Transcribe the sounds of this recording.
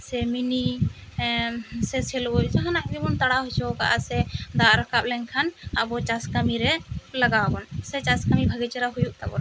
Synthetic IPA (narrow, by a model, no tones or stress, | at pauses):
sɛmini | sɛsʰɛlbɔʔd͡ʒaɦanaʔd͡ʒibɔnt̪aɽaɦɔt͡ʃʰɔka̰ʔasɛd̪aʔɾakap̚lɛɲkʰanabɔt͡ʃaskamiɾɛlaɡabɔnsɛt͡ʃaskamibʱaɡɛt͡ʃaɾaɦujuʔt̪abɔ̰ɾ